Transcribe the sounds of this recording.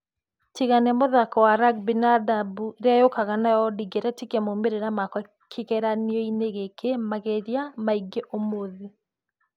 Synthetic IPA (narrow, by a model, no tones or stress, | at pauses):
tiɣanɛmoðakɔwaɾaɡ̚binadabuɾeajokaɣanajɔdiɡeɾɛtikɛmomeɾeɾamakwɔ | kʰekɛɾaniɔineɣekʰemaɣeɾjamaiɡeʔomoði